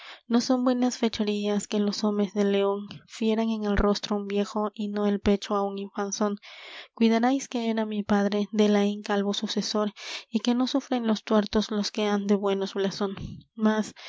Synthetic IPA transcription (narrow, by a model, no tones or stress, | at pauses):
no̞so̞mbwe̞nasfet͡ʃoɾiaske̞lo̞so̞me̞zðele̞onfje̞ɾaŋe̞ŋelro̞st̪ɾoumbje̞xo̞ʔino̞elpe̞t͡ʃoauŋiɱfanso̞ŋkwiðaɾajskeeɾamipaðɾe̞ðelaiŋkalβosusesoɾike̞no̞sufɾenlost̪weɾt̪osloskeand̪e̞βwe̞nosblasonmas